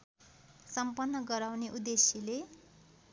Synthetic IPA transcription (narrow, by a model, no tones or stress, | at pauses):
sʌmpʌnːʌɡʌɾawneʔud̪esile